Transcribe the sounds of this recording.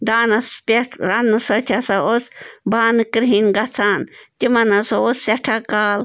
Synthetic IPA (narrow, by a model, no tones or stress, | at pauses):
d̪aːnɐspʲeʈʰɾanːɨsot͡ʃʲʰɐsaosbaːnɨkɾɦinɡɐt͡sʰaːnt̪ʲimɐnɐsoosseʈʰakaːl